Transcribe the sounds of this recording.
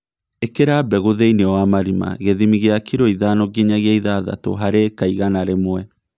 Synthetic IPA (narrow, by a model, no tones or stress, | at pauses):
ekeɾabɛɣoðeineɔwamaɾima̰ɣeðimiɣeakiɾoiðanɔɡiɲaɣeaiðaða̰tɔ̰ɦaɾekaiɣanaɾemwɛ